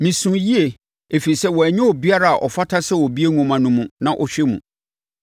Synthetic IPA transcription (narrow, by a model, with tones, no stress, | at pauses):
mĩ˨sũ˨ji˦e˨ | e˨fi˨i˨sɛ˦wɔ˨æ˨ɲɛ̃˦wɔ˨bi˦a˦ɾa˦˨a̰˨ʔɔ˨fa˦tʰa˦sɛ˦wɔ˨bi˦e˦ŋũ˦mã˨nũ˦mũ˨nã˦ʔɔ˨ɕᶣɛ˦mṵ̃˨